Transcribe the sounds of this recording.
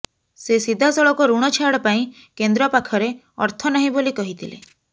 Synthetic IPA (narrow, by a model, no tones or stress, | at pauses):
sesid̪ʱasɔɭɔkɔɾuɽ̃ɔt͡ʃʰaɽɔpaĩ | kend̪ɾɔpakʰɔɾe | ɔ̰ɾt̪ʰɔnaɦĩbolikɔɦit̪ʰilḛ